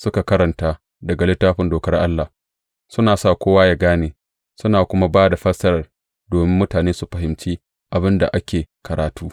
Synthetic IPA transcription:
sʊ˦ka˨kɐ˦ɾɐ˨ntaː˦ | dɐ˨ɡa˨lɪ˦tːaː˦ɸɪ˨ndoː˨kɐ˦rʔa˦lːa˨ | sʊ˦naː˨sa˦˨kʷoː˦waː˦ja˦ɡaː˦neː˨ | sʊ˦naː˨kʷʊ˦ma˦baː˦da˨ɸɐ˦sɐ˦ɾɐ˨r | doː˨mɪ˦mːʊ˦taː˨neː˦su˨ɸɐ˨ɦɪ˨mt͡ʃiː˦ | ʔa˨bɪ˦nda̰˨ʔa˦kʲeː˨kɐ˨ɾaː˨tuː˦

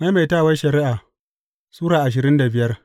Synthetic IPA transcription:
ma˦jma˨jtaː˦˨wɐ˦ʃɐ˨ɾɪ˦ʔa˨ | suː˦ɽaː˨ʔa˨ʃ̬ɪ˨ɾɪ˦nda˨bɪ˦jɐ˦r

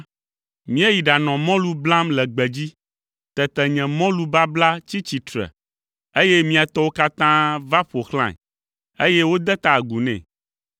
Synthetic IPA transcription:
mĩ˦ɛ˦ji˨ɖa˨nɔ̃˨mɔ̃˦lu˦bla˦mlɛ˨ɡ͡bɛ˨d͡ʑi˦ | t̪ɛ˨t̪ɛ˨ɲɛ̃˨mɔ̃˦lu˦ba˦bla˦t͡ɕi˦t͡ɕi˨t̪ɾɛ̰˨ | e˦je˦mĩ˦a˨t̪ɔ˦wo˦ka˦t̪ã˦va˦ɸo˨xlã̰˨ | e˦je˦wo˦d̪ɛ˦t̪a˨ɡu˨nɛ̰̃˨

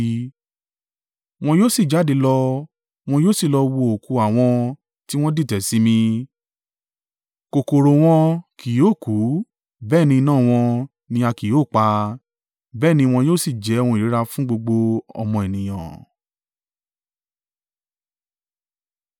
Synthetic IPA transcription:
w̃ɔ̃˧joː˦˨si˦˨d͡ʒa˨˦de˧lɔ˧ | w̃ɔ̃˧joː˦˨si˦˨lɔ˧wo˧o˨ku˨˧a˨w̃ɔ̃˧ | ti˦w̃ɔ̃˦di˦˨tɛ˨si˨˦mĩ˧ | ko˨ko˨ɾo˨w̃ɔ̃˧kʰi˨joː˦˨ku˨˦ | bɛː˦˨nĩ˧nãː˦˨w̃ɔ̃˧ | nĩ˧a˧ki˨joː˦˨k͡pa˧ | bɛː˦˨nĩ˧w̃ɔ̃˧joː˦˨si˦˨d͡ʒɛ˨˦˧wɔ̃˧˨ɾi˨˦ɾa˧fũ˦ɡ͡bo˧ɡ͡bo˧ɔ̰˧mɔ̃˧e˨nĩ˨j̃ã̰˨

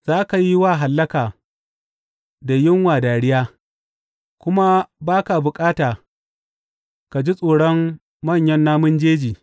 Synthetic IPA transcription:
z̥aː˦ka˨ji˦waː˦˨ɦa˨lːɐ˦kaː˨ | da˨jɪ˦ŋwaː˨daː˨ɽɪ˦jaː˦ | kʷʊ˦ma˦baː˦ka˨bʊ˨kʼaː˦taː˨ | ka˨d͡ʒi˦sʼoː˨ɽɔ˦mː | ɐ˦˨ɲjɐ˦nːaː˦mʊ˦nd͡ʒeː˦d͡ʒiː˨

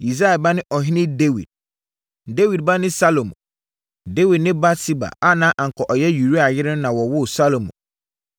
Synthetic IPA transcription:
i˨sa˦a˨ba˦nɪ̃˦ʔɔ˨ɦɪ̃˦nɪ̃˦de˦wḭ˨d̥̚ | de˦wi˨d̚ba˦nɪ̃˦sa˦lo˨mṵ̃˨ | de˦wi˨dnɪ̃˦ba˦sʰi˦ba̰˨a˦nã˦ʔã˨ŋ̩˨kʰɔ˨ʔɔ˨jɛ˦ju˨ɾu˦a˨jɪ˦ɾɪ̃˦nnã˨wɔ˨wʊ˦sa˦lo˨mṵ̃˨

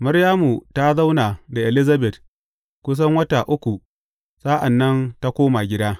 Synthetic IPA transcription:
mɐ˦ɽjaː˦mu˨ta˦za˦wnaː˨da˨ʔɛ˨lɪ˦za˦bɛ˨t̚ | kʷʊ˦s̬ɐ˦ŋwɐ˦ta˨ʔʊ˦kʷu˨ | saː˦ʔa˨nːɐ˦nta˦kʷoː˦ma˨ɡʲɪ˦daː˦

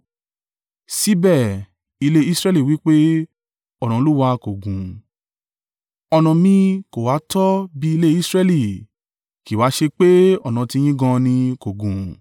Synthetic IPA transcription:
si˦bɛ˦˨ | i˧le˦i˦sɾɛ˦li˦˨wi˦k͡pe˦ | ɔ˦˨ñã˨˧lu˦wa˧ko˨ɡũ˨ | ɔ˧nɔ̃˨mĩ˧ko˨wa˨˦tɔ˦bi˦i˧le˦i˦sɾɛ˧li˨ | ki˨wa˨˦ʃe˧k͡pe˦ɔ˦˨nã˨ti˧j̃ĩ˦ɡɔ̃˧nĩ˧ko˨ɡũ˨

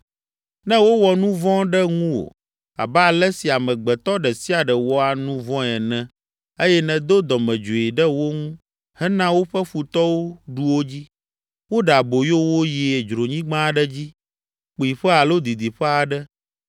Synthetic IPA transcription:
nɛ̃˦wo˦wɔ˨nũ˦vɔ̃˦ɖɛ˦ŋũ˦wo̰˨ | a̰˨bɛ˦a˨lɛ˦si˨a˨mɛ̃˨ɡ͡bɛ˨t̪ɔ˦ɖɛ˨si˦a˨ɖɛ˨wɔ˦a˨nũ˦vɔ̃˦ɛ˨nɛ̃˦ | e˦jɛ˦nɛ̃˨d̪o˦d̪ɔ˨mɛ̃˨d͡ʒo˨i˨ɖɛ˦wo˦ŋũ˦ | hɛ˦nã˦wo˦ɸɛ˦ɸu˨t̪ɔ˦wo˦ɖu˦wo˦d͡ʑi˦ | wo˦ɖa˨bo˨jo˦wo˦ji˨ɛ˨d͡ʒɾo˨ɲĩ˦ɡ͡bã˦ɖɛ˦d͡ʑi˦ | k͡pi˨ɸɛ˦a˨lo˦d̪i˨d̪i˨ɸɛ˦a˨ɖɛ˦

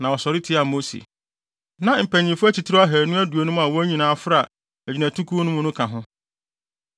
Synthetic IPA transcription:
nã˨ɔ˨sɔ˨ɾɪ˦tʰɪ˦a˨mo˦sḭ˨ | nã˨m̩˨pæ̃˨ɲĩ˨fʊ˦æ˦t͡ɕi˨tʰɪ˦ɾɔ˦a˦ɦæ˨nʊ̃˦æ˦du˨o˨nʊ̃˦m˦a˨wɔ˦æ˦ɲĩ˨nãː˨˦fʊ˦ɾa˨ | æ˨d͡ʑi˨næ̃˨tʰu˦kʰu˦nʊ̃˦mʊ̃˦nʊ̃˦kʰã˨ɦʊ̃˦

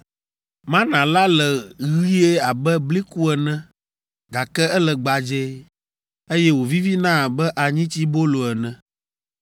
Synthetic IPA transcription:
mã˦nã˨la˦lɛ˨ɣi˦e˦a˨bɛ˦bli˦ku˦ɛ˨nɛ̃˦ | ɡa˨kɛ˦ɛ˦lɛ˨ɡ͡ba˨d͡ʒɛ˦ | e˦jɛ˦wo˨vi˦vi˦nã˦˨bɛ˦ʔa˨ɲĩ˦t͡ɕi˦bo˦lo˨ɛ˨nɛ̃˨

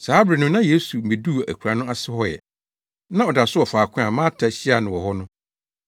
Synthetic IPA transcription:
saː˦bɾɪ˨nʊ̃˦nã˦je˦su˨mĩ˨du˦˨æ̰˨kʰʷu˨ɾa˨nʊ̃˦a˦sɪ˦hɔ˦jɛ̰˨ | nã˦ɔ˨da˨sʊ˦ɔ˨faː˨kʰʊ̃˦a˨mã˦tʰa˨ɕi˦a˨nʊ̃˨wɔ˨ɦɔ˦nʊ̃˦

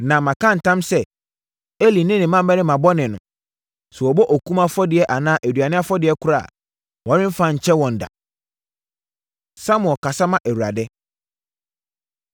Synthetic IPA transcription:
nã˨mã˨kʰã˦˨n̩˨tʰã˦msɛ˦ | e˦li˨nɪ̃˦nɪ̃˨mã˦m˦bɛ˦nɪ̃˦mã˨bɔ˦nɪ̃˨nʊ̰̃˨ | sɛ˨ɔ˨bɔ˦ʔɔ˨kʰũ˦mã˦fɔ˦dɪ˨ɛ˦ʔa˨nãː˦ʔæ˨dɥa˨nɪ̃˦a˦fɔ˦dɪ˨ɛ˦kʰʊ˦ɾa˦˨ | wɔ̃˨˦nɪ̃˦m̩˦fã˦˨ɲ̩˨t͡ɕʰɛ˦wɔ̃˨n̩˨da̰˨ | sa˦mʊ̃˨ɔ˨ka˨sa˦mã˦˨ʔæ˨wu˨ɾa̰˨dɛ˦

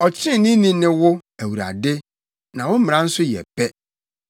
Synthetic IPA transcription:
ɔ˨t͡ɕʰɪ˦nĩ˦nĩ˦nɪ̃˦wʊ˦æ˨wu˨ɾa̰˨dɪ˦ | nã˨wʊ̃˦m̩˦m̃˨ã˨n̩˦sʊ˦jɛ̰˨pɛ˦

